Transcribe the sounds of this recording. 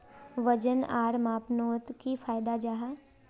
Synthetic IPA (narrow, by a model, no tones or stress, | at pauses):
ʋəd͡ʒənaːɽmaːpnoːt̪kifʰaːjd̪ad͡ʒaːɦa